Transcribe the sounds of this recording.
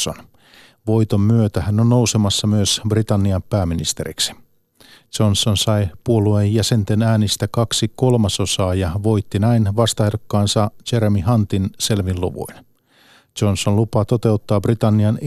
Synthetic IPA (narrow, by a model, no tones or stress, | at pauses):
o̰n | ʋojt̪omːyøt̪æhænːonno̞usemɑsːɑmyøsbrit̪ɑnːiɑmpæːminist̪eɾḭksi̥ | t͡ʃonsonsɑjpuoluejːæse̞nt̪enæːnist̪ækɑksiko̞lmɑso̞sɑːjɑʋo̞jt̪ːinæinʋɑst̪ɑheɾokːɑːnsɑt͡ʃeɾemihɑnt̪inse̞lʋilloʋṵin | d͡ʒonsonlupɑt̪o̞t̪e̞ut̪ːɑːbrit̪ɑnːiɑn